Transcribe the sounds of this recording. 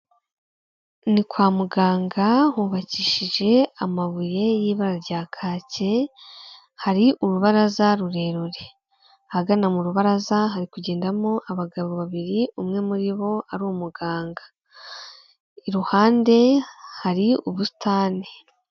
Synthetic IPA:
nikwaːmuɡaːŋɡahuːβaciʃiʒe̞amaβuje̞jiːβaɾaɾɟaːkʰaːce̞ | haɾiʔuɾuβaɾazaɾuɾe̞ːɾuɾe | haɡanamuɾuβaɾazaɦaɾikuɟe̞ːndamo̞ʔaβaɡaβo̞βaβiɾiumŋe̞muɾiβo̞aɾuumuɡaːŋɡḁ | iɾuhaːnde̞haɾiuβusi̥taːni

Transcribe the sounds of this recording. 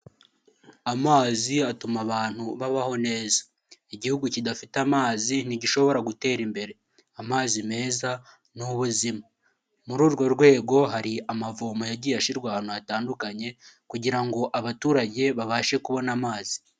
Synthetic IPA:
amaːziatumaβaːn̥huβaβaho̞ne̞ːza | iɟihuɡucidafitamaːzin̥iɟiʃo̞βo̞ɾaɡute̞ːɾimbe̞ɾe̞ | amaːzime̞ːza | nuβuzima | muɾuːɾɡo̞ɾɡwe̞ːɡo̞ɦaɾiamavoːmojaɟiːjaʃiɾɡwaːn̥uataːndukaɲe̞kuɟiɾaŋɡo̞ʔaβatuːɾaɟe̞βaβaːʃe̞kuβo̞namaːz̥i̥

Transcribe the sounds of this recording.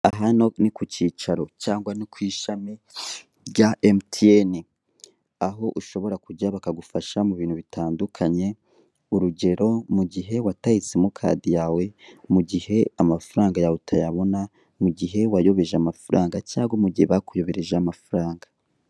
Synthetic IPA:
aɦano̞nikuciːt͡ʃaɾo̞caːŋɡwanikwiːʃami | ɟaʔemtieni | aɦo̞ʔuʃo̞βo̞ɾakuɟaβakaɡufaʃamuβiːnhuβitaːndukʰaɲe̞ | uɾuɟe̞ɾo̞muɟiɦe̞watait͡semukʰa̰dijaːwe̞muɟihe̞amafuɾaːŋɡajautʰajaβo̞na | muɟiɦe̞wajo̞βe̞ʒeamafuɾaːŋɡacaːɡwomuɟiheβakujo̞βe̞ɾeʒaːmafuɾaːŋɡa

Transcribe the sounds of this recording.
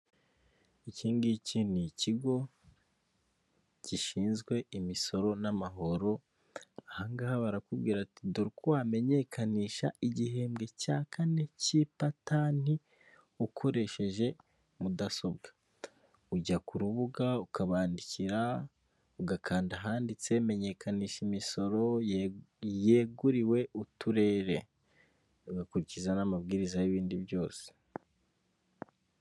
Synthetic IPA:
iciːnɡiciniciɡo̞ | ciʃiːnzɡwe̞imiso̞ɾo̞namaɦo̞ɾo̞ | ahaːŋɡahaβaɾakubɡiːɾatiduɾikuwaːme̞ɲe̞kʰaniːʃaiɟiɦe̞ːmɡe̞caːkʰane̞cipatani | ukʰo̞ɾe̞ʃe̞ʒe̞ | mudaso̞bɡḁ | uɟakuɾuβuɡaukaβaːndiciɾa | uɡakʰaːndaɦaːndit͡se̞me̞ɲe̞kʰaniːʃimiso̞ɾo̞ | je̞ːɡuɾiwe̞utuɾe̞ːɾe̞̰ | uɡakuɾicizanamabɡiːɾizajiβiːndiβjo̞ːse̥

